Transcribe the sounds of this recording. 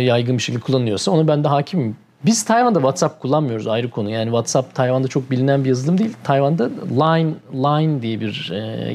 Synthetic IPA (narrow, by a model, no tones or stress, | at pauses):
jajɡɯnbiʃecʰilʲd̪ʲɛkʰulˠːanɯjo̞ɾsao̞nabænd̪ɛɦaːcʰimi | biz̥t̪ʰajvand̪avat̪sap̚kʰulˠːanmɯjo̞ɾuzajɾɯkʰo̞nujaːnivat̪sap̚t̪ʰajvand̪at͡ʃʰo̞k̚bilʲinænbijazɯlˠɯmd̪ejilʲt̪ʰajvand̪alˠajnlˠajnd̪ijɛbiɾɛ̰